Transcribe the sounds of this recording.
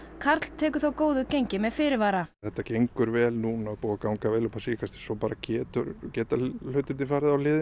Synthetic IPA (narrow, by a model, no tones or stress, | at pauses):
kʰaɾt̪l̥t̪ʰɛːkʏθawkoːwðʏcejɲcɪmɛðfɪɾɪɾvaːɾaθɛht̪ːacejŋkʏɾvɛːlnuːnaːpuːakawŋkavɛːlʏpʰasiːkast̪ɪ̥sɔpaːɾacɛːt̪ʏɾcɛːt̪alʏɥt̪ɪnɪfaɾðawlɪːðɪ